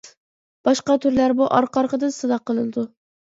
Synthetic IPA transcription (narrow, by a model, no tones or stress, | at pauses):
b̥ɑʃqɑt̪ʰyɾlæɾbuʔɑɾqʰɑɾqəd̪ɨnsɨd̪ɑqːəlˠɨnɨd̪u